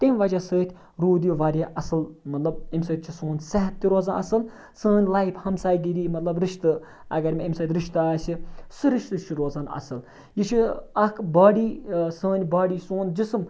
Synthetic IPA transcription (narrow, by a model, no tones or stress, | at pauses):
t̪emʋɐd͡ʒasəːt̪ʰʲ | ɾoːd̪juʋaːɾʲaʔɐsɨlmɐt̪lɐb̚emsəːt̪̚ʲt͡ʃʰisoːnsɐɦɐt̪ːiɾoːzanɐsɨl | səːnʲlɐipʰhɐmsaːjɡiɾiːmɐt̪lɐbɾiʃt̪ɨ | ɐ̰ɡɐɾʲmeimʲsɐːt̪ʲɾiʃt̪aːsisɨɾiʃt̪ɨt͡ʃʰiɾoːzaːnɐ̰sɨl | jit͡ʃʰiɐkʰbaːɽiːsəːnʲbaːɽiːsoːnd͡ʒism